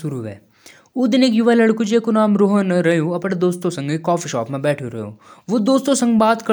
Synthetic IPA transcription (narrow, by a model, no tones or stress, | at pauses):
ʊɾuːɦɛ̰ː | ud̪ɪneːkjuʋaːlɐɽkud͡ʒeːkonaːmɾoːɦənɾɐjoɐpəɽd̪oːst̪õsɐ̃ŋɡikːɔːfiʃɔːpmẽbɛːʈʰoɾɐ̰ɦjo̰ʋod̪oːst̪õsɐ̃ŋɡbaːt̪kɐ